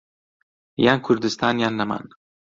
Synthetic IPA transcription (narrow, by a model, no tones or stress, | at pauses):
jankʰuɾd̪ɪst̪ʰaːnjanːama̰n